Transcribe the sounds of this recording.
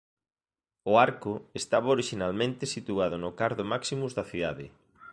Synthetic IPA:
ʊaɾkʊest̪aβaoɾiʃinalmẽnt̪esit̪uað̞ʊnʊkaɾðomaksimuzðɐθiðaðɪ

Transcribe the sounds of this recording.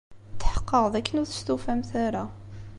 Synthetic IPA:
t̪ːħə̥qːəʁðækːənʊɾθə̥st̪ufæmθæɾa

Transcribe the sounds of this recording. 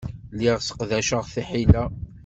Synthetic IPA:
liʁsə̥qðæʃəʁθiħilæ

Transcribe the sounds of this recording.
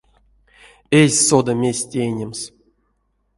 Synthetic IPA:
ezʲsod̪amʲesʲtʲejnʲems

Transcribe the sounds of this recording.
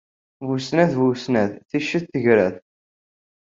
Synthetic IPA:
vusnæθvusnæðθiʃːəθθəʝɾæθ

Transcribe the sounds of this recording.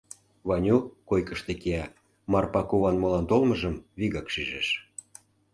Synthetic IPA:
βɑnʲukojkə̆ʃt̪ekeɑ | mɑrpɑkuβɑnmolɑnt̪olmɤ̆ʒə̆mβiɣɑkʃyʒeʃ

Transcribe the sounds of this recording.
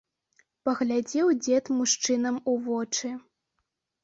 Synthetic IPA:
pɐɣlʲad͡zʲɛwd͡zʲɛt̪muʂt͡ʂɨnɐmuvɔt͡ʂɨ

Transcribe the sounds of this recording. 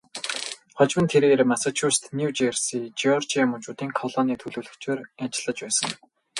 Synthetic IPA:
χɔt͡ɕmə̆nt̪ʰeɾeːrmasat͡ɕʰust̪nuwt͡ɕersit͡ɕiɔrt͡ɕiamʊnt͡ɕuːt̪iːŋkʰɔɮɔːniːt̪ʰɵɮɵːɮɵ̆kt͡ɕeːrat͡ɕɪ̆ɮə̆t͡ɕpæːsə̆ŋ

